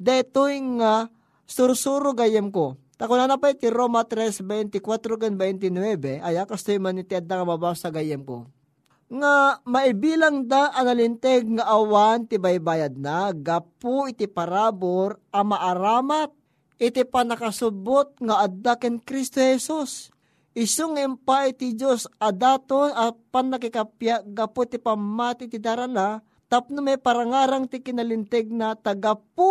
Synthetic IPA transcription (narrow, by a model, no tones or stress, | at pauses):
d̪ɛt̪ujŋa | sʊɾsuːɾoɡajɛmko | t̪ɐkʊnanapajt̪ɪɾoːmɐt̪ɾɛsbɛjnt̪ɪkwat̪ɾokɛnbɛjnt̪ɪnwɛbɛʔɐjakɐst̪ojmanɪt̪ɪʔɐd̪ːaŋɐmɐbasɐɡajɛmko̰ | ŋamɐɪbiːlaŋd̪aʔɐnɐlɪnt̪ɛɡ̚ŋɐʔɐwant̪ɪbajbaːjɐd̪̚naɡɐpʊɪt̪ɪpɐɾaːboɾʔɐmaʔaɾaːmat̪̚ | ʔɪt̪ipanɐkasʊbot̪̚ŋaʔad̪ːakɛnkɾist̪ohɛsus | ʔɪsoŋɪmpajt̪ɪd͡ʒosɐd̪aːt̪onapanːɐkɪkapjaʔɡɐpot̪ɪpamːaːt̪ɪt̪ɪd̪aɾana | t̪ap̚nomajpaɾaŋaːɾaŋt̪ɪkɪnalɪnt̪ɛɡ̚nat̪aɡapu